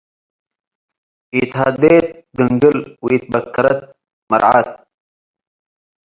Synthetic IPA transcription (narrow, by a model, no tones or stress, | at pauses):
it̪ɦaːd̪et̪̚d̪əŋɡəlwit̪̚bɐkːɐɾɐt̪̚ | mɐ̰ɾʕa̰t̪̚